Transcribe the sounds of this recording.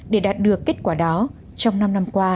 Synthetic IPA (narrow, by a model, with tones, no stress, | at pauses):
ɗe˧˩ɗaː˨˩t̚ɗɨ˨˩əkːe˦˥t̚kwaː˧˩ɗɔ˨˦ | t͡ɕɔ˧wŋ͡mna˧mna˧mkwaː˧